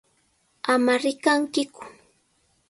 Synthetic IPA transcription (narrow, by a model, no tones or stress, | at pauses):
amaɾɪkaŋkɪkʊ̥